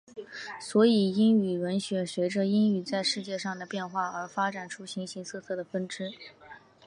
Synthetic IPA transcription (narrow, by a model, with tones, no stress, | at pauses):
swɔ˧˥i˨˩i˥ny˨˩ɻə˧˥nɕɥɛ˧˥ɕɥɛ˧˥ʈ͡ʂə˧i˥ny˨˩t͡sa˥˧ɪʂɻ̩˥˧t͡ɕjɛ˥˧ʂɑ˥˩ŋd̪ə˩pjɛ˥˧nxwa˥˩ə˞˧˥fa˥ʈ͡ʂa˨˩nʈ͡ʂʰu˥ɕi˧˥ŋɕi˧˥ŋsʰɤ˥˧t͡sʰɤ˥˩d̪ə˩fə˥nʈ͡ʂɻ̩˥